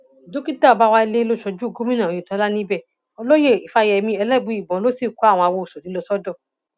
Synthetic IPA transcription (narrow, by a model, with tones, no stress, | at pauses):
do˦ki˦da˦˨ɔ˨˧ba˧wa˧i˧le˦lo˦ʃɔ˧d͡ʒu˦˨ɡo˦mĩ˦nã˨i˨tɔ˨˧˦la˦nĩ˦bɛ˦˨ | ɔ˧lo˦je˦˨i˨fa˧jɛ˧mĩ˧ɛ˧lɛ˦˨bu˨˧˦i˨bɔ̃˨˦lo˦si˦˨ku˨˦a˦˨w̃ɔ̃˧a˧wo˧˨so˨nĩ˨˦lo˧sɔ˦dɔ˦˨